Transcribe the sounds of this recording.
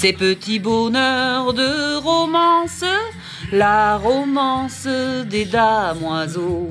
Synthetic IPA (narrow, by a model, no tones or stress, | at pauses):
sepət̪ibɔnœʁd̪əʁɔmɑ̃s | laʁɔmɑ̃sd̪ed̪amwazo